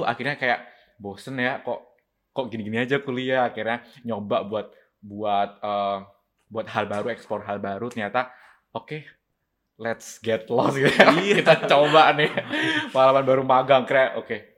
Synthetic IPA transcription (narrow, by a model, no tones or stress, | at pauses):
a̰kirɲakajaʔ | bosənjakɔʔ | kɔʔɡiniɡiniad͡ʒakuliaːkirɲaɲobaʔbuat̪̚ | buat̪̚əː | buat̪̚halbaɾuɛkspɔrɦalbaɾut̪ərɲat̪a | oke | lɛt̪sɡɛt̪̚lɔsɡiakit̪at͡ʃobaʔnɪmaalawanbaɾumaɡaŋkəɾjaʔoke